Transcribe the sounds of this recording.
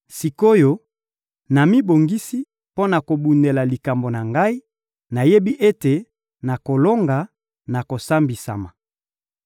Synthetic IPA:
si˨ko˦jo˦ | na˨mi˦bo˨ŋɡi˦si˦ | po˦na˨ko˨bu˨ne˨la˨li˨ka˨mbo˨na˨ŋɡa˦i˦ | na˨je˦bi˦ʔe˦te˨ | na˨ko˨lo˦ŋɡa˨ | na˨ko˨sa˦mbi˨sa̰˨ma˨

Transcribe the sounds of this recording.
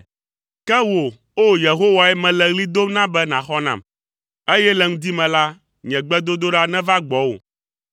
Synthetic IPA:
kɛ˦wo˨ | o˦je˨ɦo˦wa˨ɛ˦mɛ̃˨lɛ˨ɣli˦d̪o˦nã˦bɛ˦nã˨xɔ˦nã̰˨m | e˦jɛ˦lɛ˨ŋũ˦d̪i˦mɛ̃˨la˦ | ɲɛ̃˨ɡ͡bɛ˦d̪o˦d̪o˦ɖa˦nɛ̃˦va˦ɡ͡bɔ˨˦wo̰˨

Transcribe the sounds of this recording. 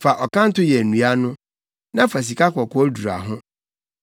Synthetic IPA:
fa˨ʔɔ˨kã˦n̩˦tʊ˦jɛ˨nũ˨a˦nʊ̃˦ | nã˦fa˨s̬i˨ka˦kʰɔ˨kʰɔ˦ɔ˦du˨ɾa̰˨ɦʊ̃˦

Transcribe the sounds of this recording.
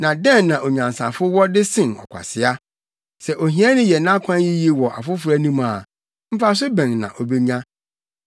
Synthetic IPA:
nã˨dɛ̃˦nːã˨ʔo˨ɲã˨n˨sã̰˨fʊ˦wɔ˦dɪ˦sɪ̃˨nɔ̰˨kʷʰa̰˨sɪ˨a˦ | sɛ˨ʔo˨ɦĩ˦a˦nʊ̃˦jɛ˨nã˦kʷʰã˦nji˦ji˦wɔ˨ʔa̰˨fʊ˦fʊ˨ɾæ˦nũ˦ma˨ | m̩˦fa˦s̬ʊ˦bɛ̃˨nnã̰˨ʔo˨be˦ɲã˦

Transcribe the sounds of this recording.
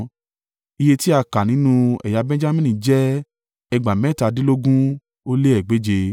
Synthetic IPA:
i˧je˧ti˦a˧ka˨nĩ˨˦nũ˦ɛ̰˨ja˧bɛ̃˦d͡ʒa˦mĩ˦nĩ˨d͡ʒɛ˦ | ɛ˧ɡ͡ba˨mɛ˦˨ta˧di˦lo˦ɡũ˦ | o˦le˦ɛ˨ɡ͡be˨˦d͡ʒe˧

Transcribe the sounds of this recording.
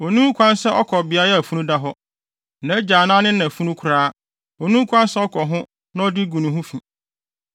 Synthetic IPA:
o˨nũ˦kʷʰã˦nsɛ˦ʔɔ˦kʰɔ˨bɪ˨a˦ɛ˦æ˨fu˦nũ˦da˦ɦɔ˦ | nã˨˦d͡ʑaː˨nã˦nɪ̃˦nã˨fu˦nũ˦kʰʊ˨ɾaː˦ | ɔ˨nũ˦kʰʷã˦nsɛ˦ɔ˦kʰɔ˨ɦʊ̃˦ | nã˦ɔ˦dɪ˦ɡu˨nũ˨ɦʊ̃˦fĩ˨

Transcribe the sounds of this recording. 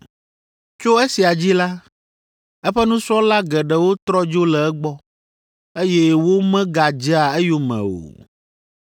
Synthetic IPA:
t͡ʃo˦e˦si˨a˨d͡ʑi˦la˦ | ɛ˦ɸɛ˦nũ˦sɔ˦la˦ɡɛ˨ɖɛ˨wo˦t̪ɾɔ˦d͡ʒo˦lɛ˨ɛ˦ɡ͡bɔ˦ | e˦jɛ˦wo˦mɛ̃˦ɡa˨d͡ʒɛ˦a˨ɛ˦jo˦mɛ̰̃˨o̰˨

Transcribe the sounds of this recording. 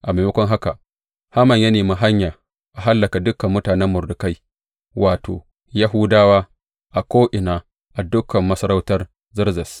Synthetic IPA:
ʔa˨meː˨mʊ˦kʷɔ˦ŋɦa˦ka˨ | ha˦mɐ˨ɲjɐ˦neː˨mi˦ɦa˦ɲjaː˨ | ʔa˨ɦa˦lːɐ˨ka˨dʊ˦kɐ˨mːʊ˦taː˨nɛ˦mːʊ˨rdʊ˨ka˦j | waː˨to̰ː˨ | ja˦ɦʊ˦daː˦waː˦ | ʔa˨kʷoː˦ʔɪ˨naː˨ | ʔa˨dʊ˦kʰːɐ˨mːɐ˦sɐ˦ɾa˦wtɐ˦r | zɪ˦rzɐ˨s

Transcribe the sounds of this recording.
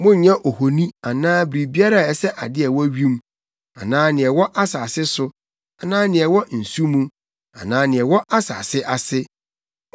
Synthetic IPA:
mʊ̃˦ɲ˨ɲã˦ʔo˨ho˨nĩ˦a˨nãː˦bɾi˨bi˦a˦ɾa˦˨ɛ˨sɛ˦ʔa˨dɪ˦ɛ˨wɔ˦ɥi˦m˦ | a˨nãː˦nɪ̃˨ɛ˨wɔ˦ʔa˦saː˨sɪ˦sʊ˦ | a˨nãː˦nɪ̃˨ɛ˨wɔ˦n̩˨su˦mũ˦ | a˨nãː˦nɪ̃˨ɛ˨wɔ˦ʔa˦sa̰ː˨sɪ˦ʔa˨sɪ˦

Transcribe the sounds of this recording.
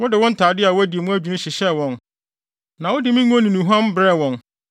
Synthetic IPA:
wʊ˦dɪ˨wɔ̃˦n̩˦tʰaː˨dɪ˦a˨wɔ˦æ˦di˨e˨mũ˦æ˦d͡ʑᶣi˨nũ˦ɕɪ˨ɕɛ˦wɔ̃˨n | nã˨wɔ˦dɪ˨˦mĩ˦ŋ˦ɔ̃˦nĩ˨nũ˨ɦã˦m˦bɾɛ˦˨wɔ̃˨n

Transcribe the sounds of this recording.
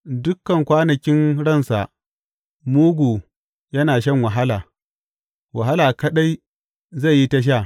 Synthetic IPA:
dʊ˦kːɐ˨ŋkʷaː˦nɐ˨kʲɪ˦nɽɐ˦˨nsa˨ʔ | muː˦ɡʷuː˨ | jɐ˦naː˨ʃ̬ɐ˦˨ŋwɐ˨ɦa˦laː˨ | wa˨ɦa˦laː˨kɐ˦ɗa˦j | za˦˨jːi˦ta˦ʃ̬a˦˨

